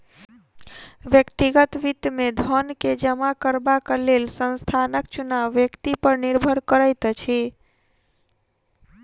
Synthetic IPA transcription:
ʋjəkt̪iɡət̪ʋit̪med̪ʱənked͡ʒəmakəɾbakəlelsə̃nst̪ʰanək̚t͡ʃunaʋːjəkt̪ipəɾniɾbʱəɾkəɾəjt̪t͡ʃʰi

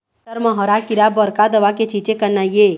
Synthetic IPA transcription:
əɾməɦɔɾakiɾabəɾkad̪əʋaket͡ʃit͡ʃekənajje

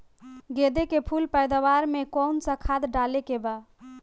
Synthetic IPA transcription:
ɡed̪ekepʰulpəjd̪awaɾmekɔnsə̃kʰad̪ɖalekeba

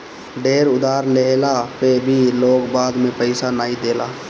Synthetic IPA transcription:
ɖeːɾʊd̪aːɾleːlapebʱiloːɡbaːd̪mẽpəɪsanaːid̪eːlaː

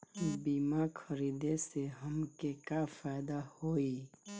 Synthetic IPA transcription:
biːmakʰəɾiːd̪eseɦəmkekafaɪd̪ahoi

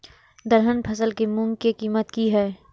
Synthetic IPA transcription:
d̪əɾɦənpʰɐsəlkimʊ̃ŋɡkikiːmət̪kiɦɛː

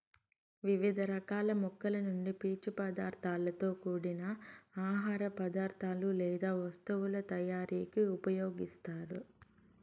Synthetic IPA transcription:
ʋiʋid̪ʱɐɾɐkaːlɐmukːɐlɐnuɳɖipiːt͡ʃupɐd̪aːɾt̪ʰaːlɐt̪o̞ːkuːɽinɐaːɦaːɾɐpɐd̪aːɾt̪ʰaːlulɛːd̪aːʋɐst̪uwulɐt̪ɐjaːɾiːkiupɐjoːɡist̪aːɾu

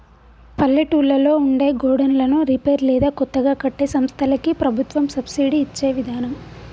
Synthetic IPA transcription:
pɐlːiʈuːlːɐlo̞ːuɳɖe̞ːɡoːɽɐnlɐnuɾipeːɾlɛːd̪aːkɔt̪ːɐɡaːkɐʈːeːsɐmst̪ʰɐlɐkipɾɐbʱut̪ʋɐmsɐbsiːɖiːt͡ʃːe̞ːʋid̪ʱaːnɐm

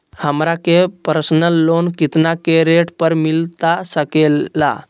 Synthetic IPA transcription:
həmɾakepəɾsnəlːonkit̪nakeɾeʈpəɾmilt̪asəkelːa̰

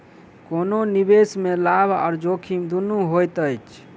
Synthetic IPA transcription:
kononibesmelabʱɔ̰ːɾd͡ʒokʰimd̪unuɦojt̪əjt͡ʃʰ

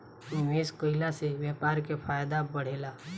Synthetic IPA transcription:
ʋeːskoɪlasewjeːpaːɾkepʰaːjd̪abəɽ̤eːlaː

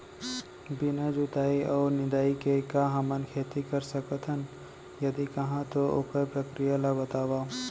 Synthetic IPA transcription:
bɪnad͡ʒut̪aːiʔɔːɾnɪd̪aːikekaɦɐmənkʰeːt̪ikɐɾsɐkət̪ʰɦən | jɐd̪ikɐɦãt̪oʔo̰kəɾpɾəkɾijalabɐt̪aːwaː

